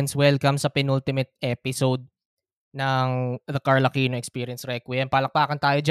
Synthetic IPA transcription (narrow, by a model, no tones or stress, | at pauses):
ɐnswɛlkɐmsɐpɪnult̪ɪmɛt̪̚ɛpɪsowd̪̚ | nɐŋðɐkɐɹlɐkiːnoɛkspiːɾjɐnsɾɛkwjɐnpɐlɐk̚paːkɐnt̪aːjod͡ʒ